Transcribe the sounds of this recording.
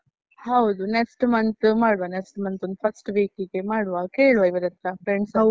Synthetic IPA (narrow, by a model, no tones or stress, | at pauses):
hɐwd̪uneksʈmɐnt̪maːɽʋaneksʈmɐnt̪ond̪upʰɐsʈʋiːkiɡemaːɽʋakeːɭʋaiʋɐd̪ɐt̪ːapʰɾeɳɖs